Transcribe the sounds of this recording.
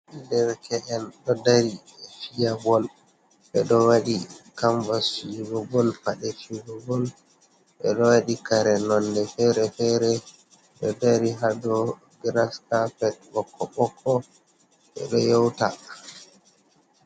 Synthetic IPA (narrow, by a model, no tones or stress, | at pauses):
dɛɾkʰɛʔɛnɗɔdaɾi | fijabɔl | ɓɛɗɔwaɗikaɱvasiɡɔbɔlfaɗɛfiɡɔbɔl | ɓɛɗɔwaɗikaɾɛnɔndɛfɛɾɛfɛɾɛ | ɗɔdaɾiɦadɔ | ɡɾaskafɛt̚bɔkʰːɔɓɔkʰːɔ | ɛ̰ɗɔjɔwta